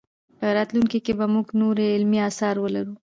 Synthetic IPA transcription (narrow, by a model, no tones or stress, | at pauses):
pəɾɑt̪luŋkikebamuɡnoɾeɪlmiɑsɑɾwəlaɾu